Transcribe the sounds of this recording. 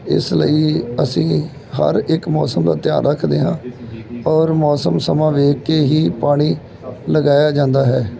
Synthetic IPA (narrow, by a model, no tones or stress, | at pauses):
ɪ̰slə̰iːəsĩː | ɦə̰ɾɪkmɔːsəmd̪a̰ːt̪ɪja̰ːɾːəkʰd̪eːɦãːɔːɾmɔːsəmsəmãːʋeːkːeːɦiːpaːɽ̃iː | ləɡaːjaːd͡ʒãːnd̪aːɦɛː